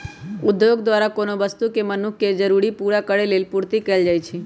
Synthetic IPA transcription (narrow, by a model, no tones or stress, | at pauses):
ud̪joɡd̪ʋaɾakonoʋəst̪ukemənukʰːed͡ʒəɾuɽipuɾakəɽelelpuɾt̪ikəld͡ʒajt͡ʃʰe